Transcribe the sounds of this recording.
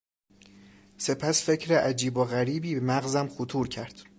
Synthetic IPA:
se̞pʰæsfe̞cʰɾeʔæd͡ʒiːboɣæɾiːbiːmæɣzæmxot̪ʰuːɾcʰæɾd̪̥

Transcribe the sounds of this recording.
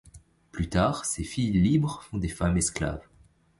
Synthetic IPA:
plyt̪aːʁsefijlibʁfɔ̃d̪efamɛskla̰v

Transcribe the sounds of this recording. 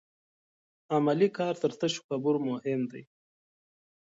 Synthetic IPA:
amalikɑːɾt̪əɾt̪əʃu̥xabuɾmʊhɪmd̪aj

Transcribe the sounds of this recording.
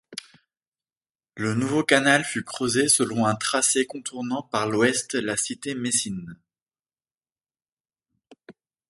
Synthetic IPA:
lənuvokanalfykχəzesəlɔ̃ɛ̃t̪χasekɔ̃t̪ʰuʁnɑ̃paʁlwɛst̪lasit̪emesin

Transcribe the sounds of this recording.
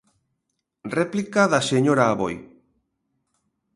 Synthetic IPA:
replikaðaseɲoɾaːβoj

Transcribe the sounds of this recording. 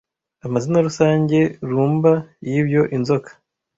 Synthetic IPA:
amazinaɾusaːɲɟe̞ɾuːmbajiːbjo̞ʔinzo̞kʰḁ

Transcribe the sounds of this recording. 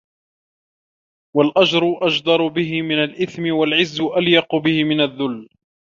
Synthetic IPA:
walʔad͡ʒɾʊʔad͡ʒd̪ˤɑɾˤʊbɪɦɪmɪnalʔɪθmɪwalʕɪzːʊʔaljɑqʊbɪhɪmɪnaðːʊlː

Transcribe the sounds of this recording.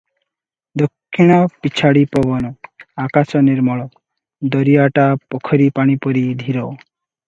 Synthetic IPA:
d̪okʰːiɽ̃apit͡ɕʰaɽipɔbɔnɔakasɔneɾmɔɭɔk | d̪ɔɾiaʈapɔkʰɔɾipaɽ̃ipoɾid̪ʱiɾo

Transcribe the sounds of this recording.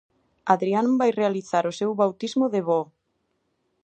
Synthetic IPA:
aðɾianbajrealiθaɾosewβawt̪izmoðeβɔ

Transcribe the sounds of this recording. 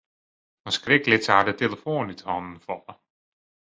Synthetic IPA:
ənskrɪklɪtsəadəteləfoːnytʰhɔnən̩fɔlə

